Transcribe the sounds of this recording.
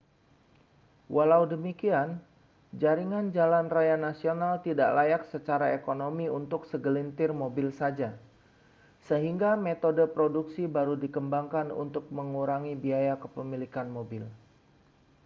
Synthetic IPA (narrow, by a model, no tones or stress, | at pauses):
wʔalaudəmikian | d͡ʒaɾiŋand͡ʒalanrajanasionalt̪ida̰ʔlajak̚sət͡ʃaɾaekonomiunt̪ʊksəɡəlint̪ɪrmobɪlsad͡ʒa | səɦiŋɡamet̪odəpɾoduksibaɾudikəmbaŋkanṵnt̪ʊk̚məŋuɾaŋibiajakəpəmilikanmobɪl